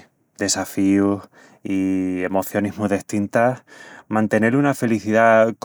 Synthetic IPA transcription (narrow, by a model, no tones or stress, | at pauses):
d̪e̞safius | ie̞mo̞θjo̞niɦmuðeht̪int̪ahmãnt̪e̞ne̞lunafe̞liθiðak